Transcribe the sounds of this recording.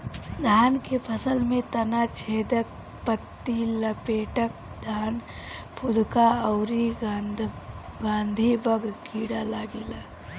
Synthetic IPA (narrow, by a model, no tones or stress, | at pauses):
d̪ʱaːnkepʰəsəlmẽt̪ɐnat͡ʃʰeːd̪ək̚ | pət̪ːiləpeːʈək̚ | d̪ʱaːn | pʰʊd̪kaəʊɾi | ɡãːnd̪ʱibəɡkʰiːɽalaːɡilaː